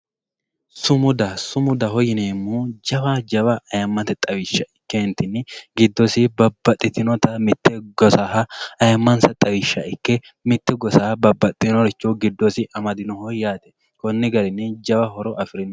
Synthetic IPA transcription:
sʊmʊd̪ɐsʊmʊd̪ɐɦɔjɪneːmːuːd͡ʒɐwad͡ʒɐbɐʔɐjɐmːɐt̪ɛt̪ʼɐwɪʃːɐɪkːɛhɪnt̪ːɪnːɪɡɪd̪ːɔsɪbɐbːɐt̪ʼːɪt̪ɪnɔt̪ɐmɪt̪ːɛɡɔsahɐɐjɐmːɐnsɐt̪ʼɐwɪʃːɐɪkːɛ | mɪt̪ːɛɡɔsabɐbːɐt̪ʼːɪnɔɾɪt͡ʃːoɡɪd̪ːɔsɪʔɐmɐd̪ɪnɔhɔjːaːt̪ɛ̥ | kɔnːɪɡɐɾɪnːɪd͡ʒɐbɐɦɔɾɔʔɐfɪɾɪn

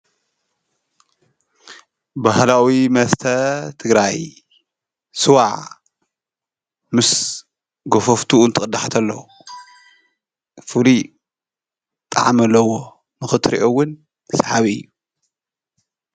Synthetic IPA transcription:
bahlawimɐst̪ʰɐt̪ʰɨɡɾaj | sɨwaʕ | mɨs | ɡofoft̪ʰunt̪ʰɨkʼɨd̪aħat̪ʰɐlːɐ̰w | fɨli | t̪ʼa̰ʕmɐlːɐwo | nɨxɨt̪ʰɾḭʔowʊnʰ | sħaβiɨ̰jːu

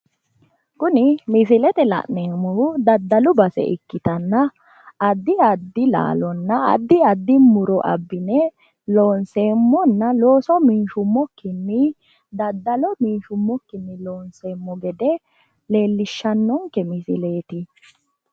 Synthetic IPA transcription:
kʊnɪmɪs̬ɪlɛt̪ɛlɐ̰ʔneːmːɔʊd̪ɐd̪ːɐlʊbɐsɛ̰ʔɪkːɪt̪ɐnːɐː | d̪ːɪɐd̪ːɪla̰ːlɔnːɐɐ̰d̪ːɪɐd̪ːɪmʊɾɔʔɐ̰bːɪnɛ | loːnseːmːɔnːɐlo̞ːsɔmiːʃʊmːɔkːɪnːɪ | d̪ɐd̪ːɐlɔmiːʃʊmːɔkːɪnːɪloːnseːmːɔɡɛd̪ɛ | le̞ːlːɪʃːɐnːɔŋkːɛmɪsɪ̰leːt̪ɪ

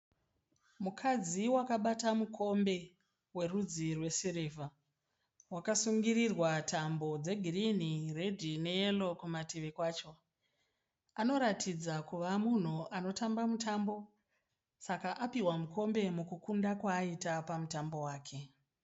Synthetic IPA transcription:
mukʰad͡ziwakaɓatamukʰo̞mbe̞ | we̞rud͡zirwe̞sireva | wakasuŋɡirirwatʰambo̞d͡ze̞ɡʱirinire̞dʱineelo̞kumatiʋikwaːt͡ʃo̞ | ano̞ɾatʰid͡zakuʋamun̤uʔano̞tambamutambo̞ | sakaʔapiwamuko̞mbe̞mukukundakwaːitapamutambo̞waːkʰe̞

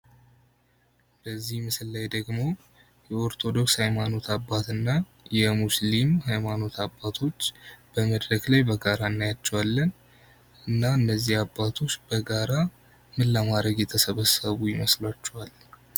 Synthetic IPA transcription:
bəzːihmɨsɨlːajd̪əɡmo̞ | jɛoɾt̪ʰo̞d̪o̞kshajmano̞t̪ʰabːat̪ɨnːa | jɛmuslimhajmano̞t̪ʰabːat̪ʰo̞t͡ʃːb̥əməd̪ɾəɡlajbəɡaɾaɨnːajat͡ʃːɛwalːən | ɨnːaɨnːəzːihabːat̪ʰo̞t͡ʃːb̥əɡaɾa | mɨlːamad̪ɾəɡjɛt̪ʰəsəβəsəβujɪməslat͡ʃːɛwal

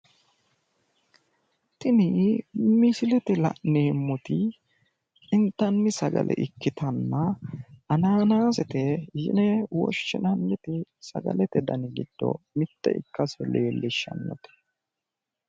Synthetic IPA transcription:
t̪ɪnɪmɪsɪlɛt̪ɛlɐ̰ʔneːmːɔt̪ɪ | ɪnt̪ːɐnːɪsɐɡɐ̰lʔɛ̰ʔɪkːɪt̪ʰɐnːɐɐnaːnaːsɛt̪ɛjɪ̰nɛwɔ̰ʃːɪnɐnːɛt̪ɪsɐ̰ɡɐ̰lɛt̪ɛd̪ɐnɪɡɪd̪̥ːɔ̰ | mɪt̪ːɛ̰ʔɪ̰kːɐsɔleːlːɪʃːɐ̰nːɔ̰t̪ɛ̥

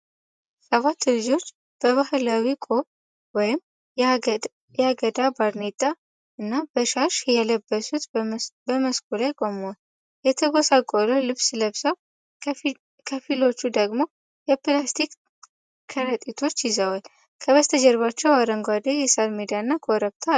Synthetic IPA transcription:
səβat̪ːlɨd͡ʒo̞t͡ʃː | b̥əβahlawikʼoβ | wɔjɪm | jaɡəd̪abaɾnet̪ʼa | ɨnːabəʃaɾʃjɛləbːəsut̪bəməskʰʼulajkʼo̞muwal | jɛt̪ʰəɡosakʼololɨβsləβsəw | kʰəfilo̞t͡ʃːud̪əɡmo̞ | jɛplast̪ʰik | kʰːəɾət̪ʼit̪ʰo̞t͡ʃːjɪzəwal | kʰəβəst̪ʰəd͡ʒɛɾβat͡ʃːɛwaɾəŋɡʷad̪ejɛsalmed̪ijanːakʰoɾəβt̪ʰa

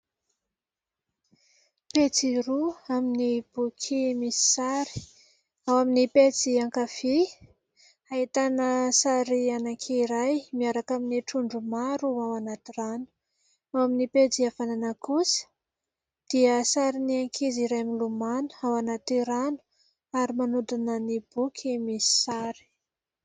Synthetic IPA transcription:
pet͡siɾuaminib̥ukʰimisi̥saɾi̥ | awaminipet͡siaŋkafi | ait̪anəsaɾianaŋkʰeiɾajmiaɾakaminiʈ͡ʂuɳɖ͡ʐumaɾuawanat̪iɾanu̥ | awaminiped͡ziafananəkusə̥ | d̪̥iəsaɾiniaŋkʰiziɾajamilumanu̥awanat̪iɾanu̥ | aɾimanud̪unənib̥ukʰimisi̥saɾi̥

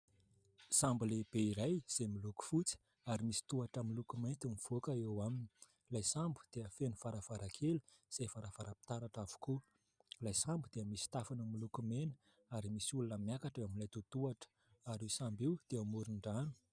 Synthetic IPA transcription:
sambuleb̥eiɾajz̥emiluku̥fut͡si̥ | aɾimisi̥t̪uaʈ͡ʂamilukumajnt̪imiv̥okəewamini̥ | lajsambu̥d̪̥eəfenufaɾav̥aɾakʰeluz̥efaɾavaɾapi̥t̪aɾaʈ͡ʂavu̥ku | lajsambud̪̥eəmisi̥t̪afanəmilukumenə̥ | aɾimisiulunəmjakaʈ͡ʂeamilajt̪ut̪uaʈ͡ʂə̥ | aɾisambiwd̪̥eamuɾiɳɖ͡ʐanu̥

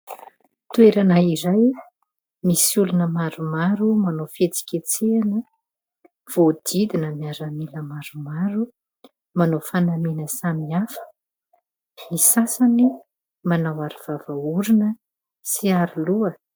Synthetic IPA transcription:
t̪ueɾanaiɾaj | misulunəmaɾumaɾumanofet͡si̥kʲet͡seanə | v̥od̪̥id̪inəmiaɾamiləmaɾumaɾu | manofanamenəsamiafə̥ | misasani | manawaɾiv̥avauɾinə | siaɾiluə

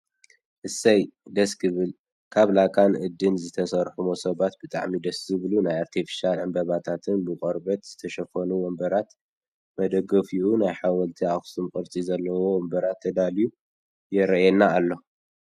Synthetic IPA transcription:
ʔɨsɐjd̪ɐskʰɨβɨl | kʰaβlakʰʼanʔɨd̪ːɨnzɨt̪ʰɐsɐɾħumosɐβat̪bɨt̪ʼa̰ʕmid̪ɐszɨβlunajaɾt̪ʰifi̥ʃalʕɨmbɐβat̪ʰat̪ʰɨnbɨkʼɔɾbɐt̪z̥ɨt̪ʰɐʃɐfɐnuwɔmbɐɾat̪ | mɐd̪ɐɡɐfiʔunajħawɐlt̪ʰiaxsumkʼɨɾt͡sʼizɐlːɐwo̞wɔmbɐɾat̪ʰːɐd̪aliju | jɛɾɐɛnːaːlːo̞

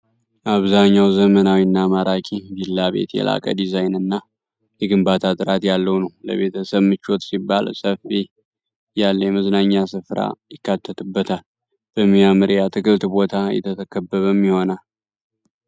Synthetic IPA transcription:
aβzaɲːawzəmənawinːamaɾakʼibilːaβe̞̰t̪jɛ̰lʔa̰kʼə̰d̪izajnɨnːa | jɛɡɨmbat̪ʰat̪ʼɨɾat̪jalːəwnəwlə̰βe̞t̪ʰəsəβmɨt͡ʃːo̞t̪sibːalsəfi | jalːəjɛməznaɲːasɨfɾa̰jɪkːat̪ʰːət̪ʰɨbːət̪ʰal | b̥əmːiamɨɾjat̪ʰɨkɨlt̪bo̞t̪ʰajɛ̰t̪ʰət̪ʰəkʰəbːəβəmːiho̞nal

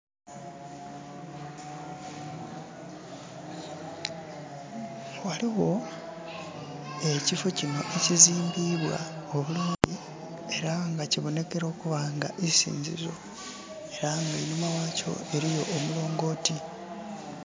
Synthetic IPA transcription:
waliɣo̞ | e̞cifo̞cino̞̰ʔe̞ciziːmbiːβwa̰oβuluːndi | e̞ɾaŋɡaciβo̞ne̞ke̞ɾo̞ːkuβaːŋɡa̰ʔisḭːɲzḭzo̞ | e̞ɾaŋɡainumawaːco̞̰e̞ɾijo̞ʔːmulo̞ːŋɡo̞ːti

